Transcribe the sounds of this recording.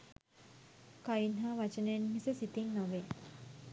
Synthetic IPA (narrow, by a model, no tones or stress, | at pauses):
kainɦaʋat͡ʃənənmisəsit̪inːoʋe